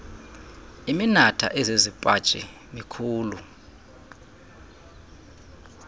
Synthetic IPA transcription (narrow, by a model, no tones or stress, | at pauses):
iminatʰa̰ʔɛzezipʼḁt͡ʃʼɛ | mikʰuːlu